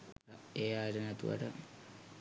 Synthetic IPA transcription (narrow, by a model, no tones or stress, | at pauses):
eːaːɾənɛt̪ṵʋa̰ʈə